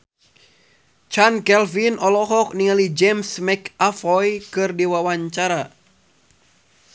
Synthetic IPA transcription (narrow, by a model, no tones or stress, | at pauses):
t͡ʃankɛlfinʔɔlɔɦɔk̚niŋalid͡ʒɛmsmɛkafɔjkɨrdiwawaɲt͡ʃaɾa